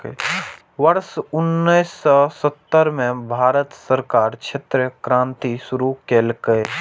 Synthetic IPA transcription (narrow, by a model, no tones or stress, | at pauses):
ʋəɾsʊnːijsːɔsət̪ːəɾmẽbʱaːɾət̪səɾkaːɾt͡ʃʰet̪ɾkɾãːnt̪isʊɾukeːlkəe